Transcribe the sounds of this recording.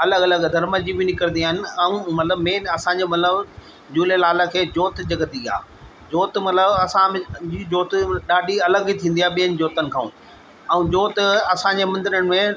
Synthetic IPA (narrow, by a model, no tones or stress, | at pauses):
ɐləɡɐləɡd̪ʱɐɾməd͡ʑibɪnɪkəɾə̃nd̪iaːɦɪnɪ̆ɛ̃ũmɐt̪ləbmeːnɐsãɲd͡ʑemɐt̪ləb | d͡ʑuːlelaːləkʰeːd͡ʑoːt̪̆d͡ʑɐɡət̪ia̰ː | d͡ʑoːt̪mɐt̪ləbɐsãd͡ʑiːd͡ʑoːt̪ɗaːɗiɐləɡit̪ʰĩːnd̪iaːɓijə̃nd͡ʑoːt̪ənɪ̆kʰãːṵ̃ː | ɛ̃ũːd͡ʑoːt̪ɐsãɲd͡ʑemɐ̃nd̪ɪɾəɽ̃ɪ̆mẽ